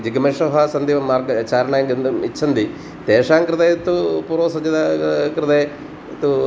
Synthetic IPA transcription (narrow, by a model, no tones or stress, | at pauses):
d͡ʑiɡɐmɐʂɐɦaːsɐnd̪iːʋɐmːaːrɡɐt͡ɕaːɾɐɳaːjɐŋɡend̪umit͡ɕʰːɐnd̪i | t̪eːʂaːŋkɾɨt̪ejt̪ːupuːrʋɐsɐɲd͡ʒɐd̪akɾɨt̪ej | t̪u